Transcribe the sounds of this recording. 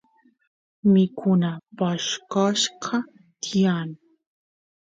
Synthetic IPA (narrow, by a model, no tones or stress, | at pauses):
mɪkʰʊnapaʃkɑʃqʰɑ | t̪ʰijaːn